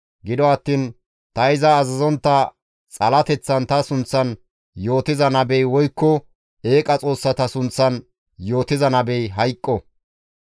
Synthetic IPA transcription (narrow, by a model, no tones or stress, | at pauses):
ɡɪd̪ɔɐt̪ːiːn | t̪ɐɪzɐːzɐzɔnt̪ːɐ | t͡sʼɐlɐt̪ɛt͡sːɐnt̪ɐsʊnt͡sːɐn | jo̞ːt̪ɪzɐnɐbɛjwɔjkːɔ | e̞ːkʼːɐt͡sʼo̞ːsːɐt̪ɐsʊnt͡sːɐn | joːt̪ɪzɐnɐbɛjɦɐjkʼːɔ